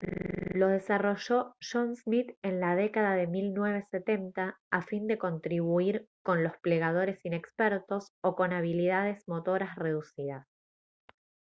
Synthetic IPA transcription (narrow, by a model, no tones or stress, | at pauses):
lo̞ð̞e̞saro̞ʒo̞ʃonsmit̪e̞nlað̞ekaðaðe̞milnwe̞β̞e̞se̞t̪e̞nt̪aːfind̪e̞ko̞nt̪ɾiβuiɾko̞nlo̞sple̞ɣað̞o̞ɾe̞sine̞kspeɾt̪o̞so̞ko̞naβ̞ilið̞að̞e̞zmo̞t̪o̞ɾasre̞ðusiðas